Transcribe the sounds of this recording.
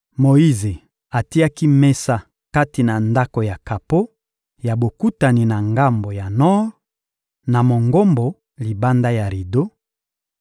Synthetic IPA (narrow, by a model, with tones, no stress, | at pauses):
mo˨i˦ze˨ | a˨ti˦a˦ki˦me˦sa˦ | ka˦ti˨na˨nda˦ko˨ja˨ka˨po˦ | ja˨bo˨ku˦ta˨ni˨na˨ŋɡa˦mbo˨ja˨nɔ˦ʁ | na˨mo˨ŋɡo˦mbo˨ | li˨ba˦nda˦ja˨ɾi˨do˦